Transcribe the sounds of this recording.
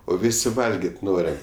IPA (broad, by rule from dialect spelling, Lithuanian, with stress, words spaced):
oː ˈʋʲɪsʲɪ ˈʋɐlʲɡʲeːtʲ ˈnoːrʲɛm